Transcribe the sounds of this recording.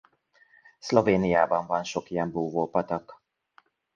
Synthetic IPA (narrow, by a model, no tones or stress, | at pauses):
sloveːnijaːbɒɱvɒnʃokijɛmboːvoːpɒt̪ɒk